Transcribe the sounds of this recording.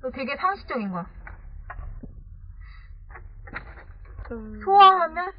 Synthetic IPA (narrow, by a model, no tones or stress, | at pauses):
totwe̞ɡe̞sʰaŋɕʰi̥t͡ɕ͈ʌɡinɡwa | sʰoaɦamjʌn